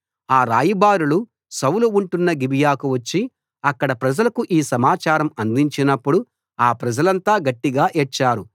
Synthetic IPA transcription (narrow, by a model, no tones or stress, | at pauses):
aːɾa̰ːjibaːɾulu | sɐwuluuɳʈunːɐɡibijaːkuʋɐt͡ʃːi | ɐkːɐɽɐpɾɐd͡ʒɐlɐkuʔiːsɐmaːt͡ʃaːɾɐmɐnd̪iɲt͡ʃinɐpːuɽu | aːpɾɐd͡ʒɐlɐnt̪aːɡɐʈːiɡaːʔɛt͡ʃːaːɾu